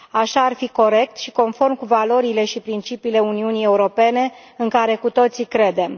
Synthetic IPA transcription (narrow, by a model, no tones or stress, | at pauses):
aʃaːrfiko̞ɾe̞k̚t̪ʃi̥ko̞nfo̞rmkuvalo̞ɾile̞ʃipɾint͡ʃipiːle̞uniunije̞uɾo̞pe̞ne̞ | ɨŋkaɾe̞kut̪o̞t̪sikɾe̞d̪e̞m